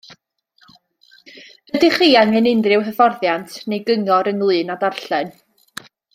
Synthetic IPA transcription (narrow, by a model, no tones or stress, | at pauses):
b̥ədiχiːaŋɨnɪndrɪwɦəvɔrðjantʰnejɡəŋɔɾəŋlˠɨːnadarɬɛn